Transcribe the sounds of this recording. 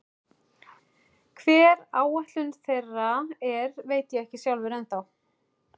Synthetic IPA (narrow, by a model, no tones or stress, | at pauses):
kʰvɛːɾaːwɛht̪lʏnθejraɛɾveːjt̪jɛɛhcɪsjawlvɪɾɛnθaw